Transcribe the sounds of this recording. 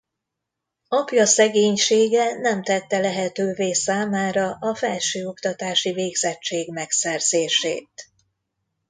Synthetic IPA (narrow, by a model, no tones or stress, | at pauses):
ɒpjɒsɛɡeːɲʃeːɡɛnɛmt̪ɛt̪ːɛlɛɦɛt̪øːveːsaːmaːɾɒʔɒfɛlʃøːo̞kt̪ɒt̪aːʃiveːɡzɛt͡ʃːeːɡmɛksɛrz̥eːʃḛːt̪̚